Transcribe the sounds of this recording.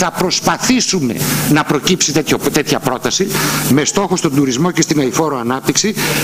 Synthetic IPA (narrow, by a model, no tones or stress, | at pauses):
θɐpɾo̞spɐθisume̞̰nɐpɾo̞cipsit̪et̪çot̪e̞t̪çɐpɾo̞t̪ɐsime̞st̪o̞xost̪o̞nd̪uɾizmo̞ce̞st̪inɐifo̞ɾoɐnɐp̚t̪iksi